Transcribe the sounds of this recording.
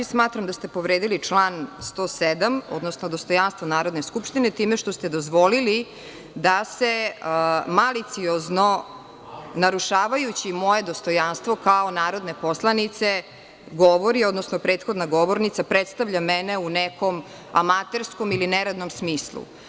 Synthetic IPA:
smaːt̪ɾamd̪ast̪e̞po̞ʋɾeːd̪ilit͡ʂlˠanst̪o̞ːsed̪amo̰d̪nosnod̪ost̪o̞janst̪ʋonaːɾo̞d̪neskupʃt̪inet̪iːmeʃt̪o̞st̪e̞d̪o̞zʋo̞lili | d̪ase | malit̪siozno̞ | naɾuʂaːʋajut͡ɕimo̞je̞d̪ost̪o̞janst̪ʋo̞kaonaːɾo̞d̪ne̞po̞slˠanit̪se̞ | ɡoʋo̞ɾio̞d̪nosnopɾeːt̪xo̞d̪naɡo̞ʋo̞ɾnit̪sapɾet̪st̪aʋʎamɛneuneko̞m | a̰mat̪eɾskomilineɾad̪no̞msmiːslˠṵ

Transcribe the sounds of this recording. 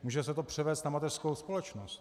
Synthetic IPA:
muːʒɛsɛt̪opr̝̥ɛvɛːst̪namat̪ɛr̥skowspolɛt͡ʃnost̪

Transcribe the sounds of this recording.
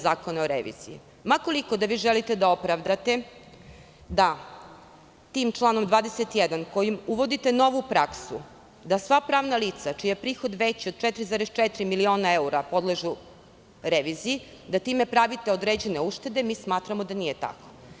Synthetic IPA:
zaːko̞naoɾḛʋḭːz̥ḭi | mako̞liko̞d̪aʋiːʒelit̪e̞d̪ao̞pɾaʋd̪at̪e̞ | d̪a | t̪iːmt͡ʃlˠaːno̞md̪ʋaːd̪eset̪jɛd̪ankojimuʋod̪it̪eno̞ʋupɾaksu | d̪asʋapɾaːʋnaliːt̪sat͡ʃijapɾiːxo̞d̪ʋet͡ɕiod̪̚t͡ʃɛt̪ɾizaːɾest͡ʃɛt̪ɾimilio̞ːnaeuɾapo̞d̪leʒu | ɾeʋiːzii | d̪at̪iːme̞pɾaʋit̪eod̪ɾed͡ʑene̞uʃt̪e̞d̪e̞miːsmaːt̪ɾamod̪anije̞t̪a̰ko̥

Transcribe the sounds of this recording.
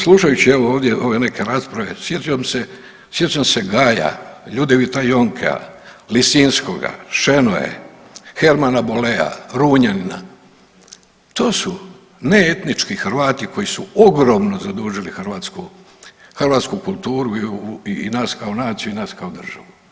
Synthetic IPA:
slˠuʃajut͡ɕieʋooːʋd̪jeʔoʋe̞ne̞kʰe̞ɾaspɾaʋe̞sjet̪ujomse̞ | sje̞t͡ʃ̪emse̞ɡaːja̰ʎud̪eʋit̪ajoŋkʰḛa̰ | lisinskoɡa̰ʃe̞noḛ | xe̞ɾmanabolea̰ɾuːɲanina̰ | t̪o̞ːsu | neet̪nit͡ʃkixɾ̩ʋaːt̪iko̞jisuoɡɾo̞mno̞zad̪uːʒilixr̩ʋaːt̪sku | xrʋaːt̪skukulˠt̪uːɾuiinaːskaonaːt̪sijuinaːskaod̪r̩ʒ̥a̰ʋu

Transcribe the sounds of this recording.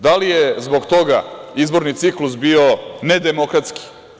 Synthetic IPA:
d̪alijezboɡt̪o̞ɡa̰izbo̞ɾnit̪siklusbiːoned̪emo̞kɾat̪ski̥

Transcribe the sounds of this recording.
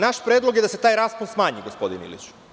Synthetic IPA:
naʃpɾed̪lˠo̞ɡjed̪ase̞t̪aːjɾaːspunsmaːɲiɡospo̞d̪ḭnḭlḭt͡ʃ

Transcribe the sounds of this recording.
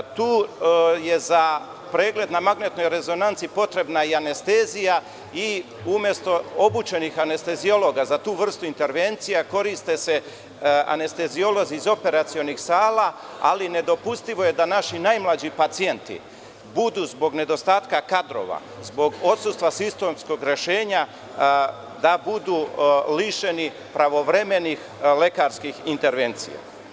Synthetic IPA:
t̪uːje̞za | pɾe̞ːɡle̞d̪namaɡnet̪no̞jɾe̞zo̞nant̪siipo̞t̪ɾe̞bnaiane̞st̪ezija | i | umje̞st̪o̞o̞but͡ʃe̞nixane̞st̪e̞zio̞lo̞ɡazat̪uːʋr̩st̪uint̪e̞ɾʋe̞ːnt̪sijako̞ɾist̪ese | a̰ne̞st̪e̞zio̞lo̞ziːzo̞pe̞ɾat̪sio̞nixsaːla | aline̞d̪o̞pust̪iʋo̞je̞d̪anaʃinajmlˠad͡ʑipat̪sije̞nt̪ḭ | bud̪uːzbo̞ɡne̞d̪o̞st̪aːt̪kakad̪ɾo̞̰ʋa̰ | zbo̞ɡo̞t̪sust̪ʋasist̪o̞msko̞ɡɾe̞ʃe̞ːɲa | d̪abud̪uːliʃe̞ni | pɾaʋo̞ʋɾe̞me̞nix | le̞kaɾskixint̪e̞ɾʋe̞nt̪sḭja̰

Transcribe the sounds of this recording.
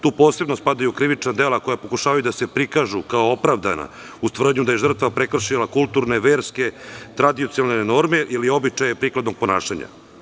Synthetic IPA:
t̪uːpo̞ːse̞bnospad̪ajukɾiʋit͡ʃnad̪e̞ːlako̞japo̞kuʃaːʋajud̪ase̞pɾikaʒukaoopɾaʋd̪a̰na̰ | ust̪r̩d̪ɲud̪ajeʐr̩t̪ʋapɾe̞kr̩ʃilakulˠt̪uɾneʋeːɾske̞t̪ɾad̪iot̪ialneno̞ɾme̞ʔilio̞bit͡ʃajepɾiːklˠad̪no̞ɡ̚po̞na̰ːʃaɲa̰

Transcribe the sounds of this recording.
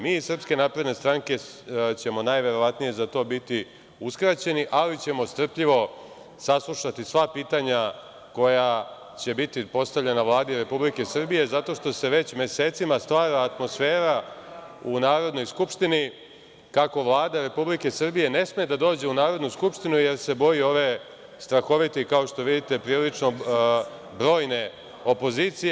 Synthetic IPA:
miːisr̩pske̞naːpɾe̞d̪ne̞st̪ɾaŋke̞t͡ɕe̞mo̞najʋe̞ɾo̞ʋat̪nije̞zat̪o̞ːbit̪i | uskɾat͡ɕe̞niʔalit͡ɕe̞mo̞st̪r̩pʎiʋo̞ | saslˠuʃat̪isʋapiːt̪aɲa | ko̞ja | t͡ɕe̞bit̪ipo̞st̪aʋʎe̞naʋlˠaːd̪iɾe̞publike̞sr̩bije̞zat̪o̞ʃt̪o̞se̞ʋe̞t͡ɕmʲje̞se̞ːt̪simast̪ʋaːɾaːt̪mo̞sfe̞ːɾa | unaːɾo̞d̪no̞jskupʃt̪ini | kako̞ʋlˠaːd̪aɾe̞publike̞sr̩bije̞ne̞smed̪ad̪o̞ːd͡ʑe̞unaːɾo̞d̪nuskupʃt̪inuje̞ɾse̞bo̞jio̞ʋe̞ | st̪ɾaxo̞ʋit̪ekao̞ʃt̪o̞ʋid̪it̪e̞pɾiːlit͡ʃno̞ | bɾo̞ːjne̞ | o̞po̞ziːt̪sij

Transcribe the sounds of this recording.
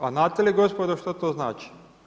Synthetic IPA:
aznaːt̪ːeliɡospod̪oʃt̪ot̪oːznaːt͡ʃi̥

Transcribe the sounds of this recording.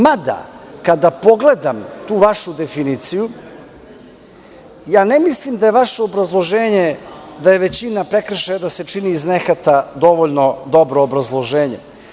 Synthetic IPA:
mad̪a̰kad̪apo̞ɡle̞d̪amt̪uːʋaʃud̪e̞finit̪siju | jaːnemislˠimd̪aje̞ʋaʃeobɾazlˠo̞ʒeːɲed̪aje̞ʋe̞t͡ɕinapɾekr̩ʃejd̪ase̞t͡ʂiniːznexat̪ad̪o̞ʋoʎno̞d̪o̞bɾoːbɾazlˠo̞ʒeːɲe̞̰

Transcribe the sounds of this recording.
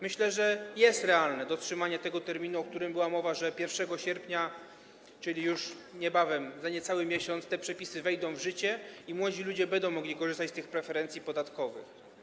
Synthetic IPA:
mɘɕlɛʐɛjɛst̪ɾɛalnɛd̪ɔtʂɘmaɲɛt̪ɛɡɔt̪ɛɾmʲinuɔk̚t̪uɾɘmbɘwamɔvaʐɛpʲjɛɾfʂɛɡɔɕɛɾpɲa | t͡ʂɘlʲijuʂɲɛbavɛmzaɲɛt̪sawɘmʲjeɕɔnt̪st̪ɛpʂɛpʲisɘvɛjd̪ɔ̃w̃vʐɘt͡ɕɛimwɔd͡ʑilud͡ʑɛbɛnd̪ɔw̃mɔɡlʲikɔʐɘst̪at͡ɕst̪ɘxpɾɛfɛɾɛnt̪sʲjipɔd̪at̪kɔvɘ̰x

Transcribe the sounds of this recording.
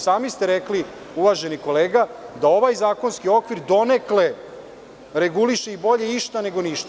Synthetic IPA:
saːmist̪eɾekli | uʋaʒe̞niko̞leːɡad̪ao̞ʋajzaːko̞nskio̞kʋiɾd̪o̞nekle̞ | ɾeɡuliʃeibo̞ʎe̞iʃt̪ane̞ɡo̞niʃt̪a

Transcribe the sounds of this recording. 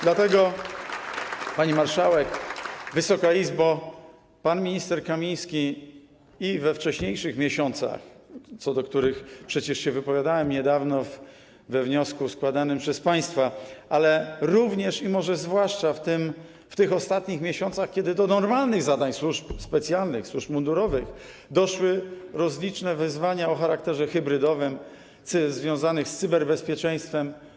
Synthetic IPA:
d̪lat̪ɛɡɔ | paɲimaɾʂawɛkvɘsɔkaizba | panmʲiɲist̪ɛɾkamʲij̃skʲi | ivɛft͡ʂɛɕɲejʂɘxmʲjɛɕɔnt̪sa̰xt̪sɔd̪ɔkt̪uɾɘxpʂɛt͡ɕɛʂɕɛvɘpɔvʲjad̪awɛmɲɛd̪avnɔv | vɛvɲɔskuskwad̪anɘmpʂɛspaj̃st̪faʔalɛɾuvɲɛʂimɔʐɛzvwaʂt͡ʂaft̪ɘm | ft̪ɘxɔst̪at̪ɲixmʲjeɕɔnt̪saxkʲɛd̪ɘd̪ɔnɔɾmalnɘɣzad̪aɲswuʂpspɛt̪sʲjalnɘxswuʐpmund̪uɾɔvɘx | d̪ɔʂwɘɾɔzlʲit͡ʂnɛvɘzvaɲaɔxaɾakt̪ɛʐɛxɘbɾɘd̪ɔvɘm | t̪sɘzvʲjɔ̃w̃zanɘxst̪sɘbɛɾbɛspʲjɛt͡ʂɛ̃j̃st̪fɛm

